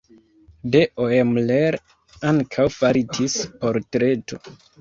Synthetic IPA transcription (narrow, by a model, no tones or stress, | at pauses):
deʔoemleɾ | aŋkʰawfaɾitʰispo̞ɾtɾe̞to̞̰